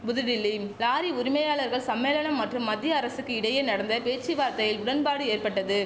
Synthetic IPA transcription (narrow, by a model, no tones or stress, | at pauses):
bʊðɪɽɪlːilaːɾiʊɾɪmɐjaːɭɐɾɣɐɭsɐmːeːlɐɳɐmːɐʈrɯmːɐd̪ːɪjɐːɾɐsɯkːɯɪɽɐjenɐɽɐnd̪ɐpeːt͡ʃːiʋaːɾt̪ɐjɪlʊɽɐnbaːɽɯeːrpɐʈːɐðɯ